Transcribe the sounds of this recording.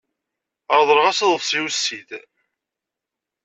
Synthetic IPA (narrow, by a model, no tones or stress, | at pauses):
əɾðˤəɾʁasðˤəðsˤiwsːid̪